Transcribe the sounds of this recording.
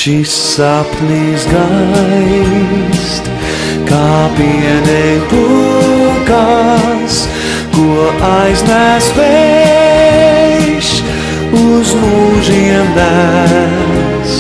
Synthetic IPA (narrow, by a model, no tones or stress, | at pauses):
ʃis | apnisɡa | st̪ | kaːpinɛjbu | ka | s | kuʔajznæsvɛ | ʃ | ʊzmuʒiɛmd̪æ | s